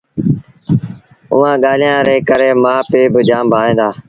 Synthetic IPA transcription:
ʊ̰ːãːɠaːl̤ijãːɾeːkəɾeːmãːpeːbɪd͡ʒãːmbʱaːẽːnd̪aː

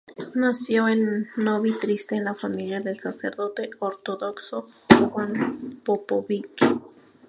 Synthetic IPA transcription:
nasjoenːoβit̪ɾist̪eːnlafamiljaðelsaseɾðot̪eoɾt̪oðokso | xwanpopoβik

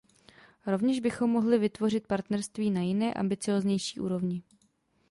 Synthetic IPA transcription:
ɾo̞vɲɛʒbɪxo̞mːo̞ɦlɪvɪt̪vo̞rɪt̪̚paɾt̪nɛɾst̪viːnajɪnɛːʔa̰mbɪt͡sɪoːzɲɛjʃi̥ːʔṵːɾo̞vɲɪ

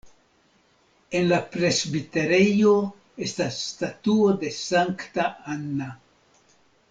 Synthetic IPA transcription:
e̞nlapɾe̞zbite̞ɾejo̞ | e̞stasːtatuo̞de̞saŋktaanːa

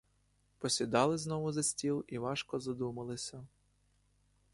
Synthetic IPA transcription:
pɔsʲid̪ɑlˠɪznɔʋʊzɐsʲtʲilˠiʋɑʃkɔzɐd̪umɐlˠɪsʲɐ

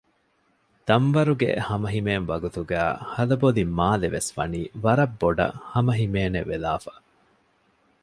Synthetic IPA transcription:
d̪̥ɐmʋɐɾuɡḛhɐmɐɦimeːnʋɐɡut̪uɡæːhɐlɐbolimːaːleʋesfɐ̰niːʋɐɾɐbːoɖɐ̰hɐmɐɦimeːnḛʋelaːfḁ

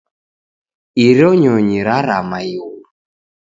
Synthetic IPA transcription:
iɾɔɲɔɲiɾaɾamajul

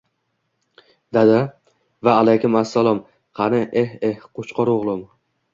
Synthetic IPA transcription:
d̪̥ad̪a | vaːlajkʲʊmasːalˠɒm | χʰanɪʔehehqʰot͡ʃqɒɾoʁlˠʊm

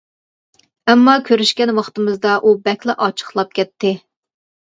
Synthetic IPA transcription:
ɛmːɑkʲʰøɾyʃkʲɛnwɑχt̪ɨmɨzd̪ɑʔubɛkʲlɛʔɑt͡ʃʰə̥χlˠɑp̚kʲɛt̪ʰːɪ

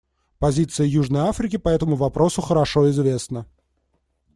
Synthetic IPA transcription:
pɐzʲit̪sɨjəjuʐnəjafɾʲɪkʲɪpɐɛt̪əmʊvɐpɾo̞sʊxəɾɐʂo̞ɪzvʲe̞snə

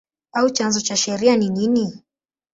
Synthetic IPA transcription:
aut͡ʃanzɔt͡ʃaʃɛɾianinini

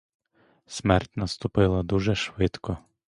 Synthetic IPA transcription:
sʲmɛrtʲnɐst̪ʊpɪlˠɐd̪uʒɛʃʋɪt̪kɔ

